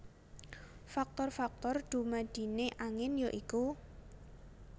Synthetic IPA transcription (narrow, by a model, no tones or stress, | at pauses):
fak̚t̪ɔrfak̚t̪ɔrd̪̥ṳmad̪̥i̤neʔaŋɪnjɔʔiku